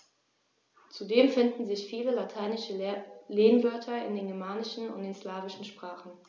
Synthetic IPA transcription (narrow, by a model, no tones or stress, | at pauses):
t͡sudeːmfɪndn̩zɪçfiːləlatʰaɪnɪʃəleːnvœɐtʰɐɪ̰ndeːnɡɛɐmaːnɪʃn̩ʊ̰ntd̥eːnslaːvɪʃn̩ʃpʁ̥aːχn̩